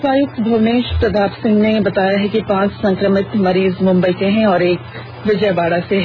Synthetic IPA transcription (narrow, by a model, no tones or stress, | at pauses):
paːjʊk̚t̪bʱɐʋneːʃpɾɐd̪ʱaːpsɪ̃ŋɡnebɐt̪aːjaɦɛkipãːt͡ʃsɐ̃ŋkɾəmɪt̪mɐɾiːzmʊ̃mbəit̪eɦɛ̃ɔːɾeːk | ʋɪd͡ʒəjbaːɽaseɦ